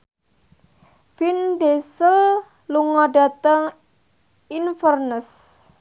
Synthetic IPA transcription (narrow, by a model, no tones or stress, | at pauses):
finɖesəl | luŋɔɖa̤t̪əŋ | infərnəs